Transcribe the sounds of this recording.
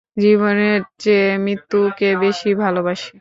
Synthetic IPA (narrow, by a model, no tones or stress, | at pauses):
d͡ʑiβoneɾt͡ɕemɾit̪ːukebeʃibʱalobaʃi̥